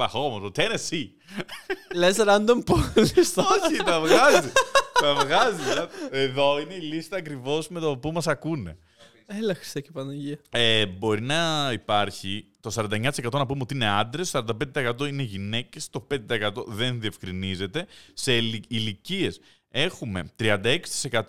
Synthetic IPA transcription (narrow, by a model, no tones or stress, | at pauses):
ɐxomosot̪enesi | lezɐɾɐnd̪omponist̪ɐoçit̪ɐvɣɐzit̪ɐvɣɐzisɐeðo̞ineilist̪ɐːkɾivo̞sme̞t̪opumɐsɐkune̞̰ | elɐxɾist̪ɐcepɐnɐʝiɐebo̞ɾinɐipɐɾçit̪o̞sɐɾɐnd̪ɐɲɐt̪ise̞kɐt̪o̞nɐpumeot̪iine̞ɐnd̪ɾessɐɾɐnd̪ɐped̪t̪ɐekɐt̪o̞ine̞ʝine̞ce̞st̪o̞pend̪et̪ɐekɐt̪o̞ðe̞nðie̞fkɾinize̞t̪e̞se̞ilicie̞s | e̞xume̞̰t̪ɾiɐnd̪ɐeksi̥t̪i̥se̞kɐt̪